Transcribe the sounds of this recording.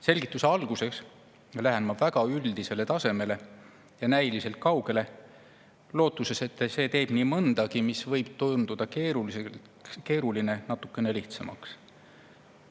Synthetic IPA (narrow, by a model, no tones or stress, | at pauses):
se̞lʲɡ̥it̪ːˑuse̞ɑlɡ̥use̞ks | læɦenmɑbvæɡ̥ɑyld̪̥ise̞le̞t̪ɑse̞me̞le̞ | jɑnæjlise̞lt̪̚kɑwɡ̥e̞le̞ | lo̞ːt̪ˑːuse̞se̞t̪ːˑse̞ːt̪e̞ːb̥niːmɤnd̪̥ɑɡimisvɤjb̥̚t̪ond̪̥ud̪̥ɑkeːɾulie | ke̞ːɾuline̞nɑt̪ːˑukːˑe̞ne̞liht̪semɑ̰ks